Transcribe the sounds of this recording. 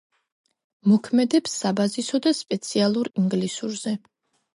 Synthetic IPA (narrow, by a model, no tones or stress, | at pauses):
mɔkʰmɛd̪ɛpsːabazisɔd̪aspʼɛt̪sʰialˠuɾiŋɡlisuɾzɛ